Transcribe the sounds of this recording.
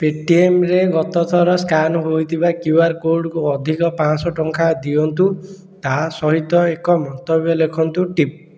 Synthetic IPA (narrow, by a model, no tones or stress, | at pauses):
peʈiemɾeɡɔt̪ɔt̪ʰɔɾɔskanɦojt̪ʰibakjuaɾkolɖkuɔd̪ʱikɔpãsɔʈɔŋkʰad̪iɔnt̪u | t̪asɔɦit̪ɔekɔmɔnt̪ɔbjɔlekʰɔnt̪uʈip̚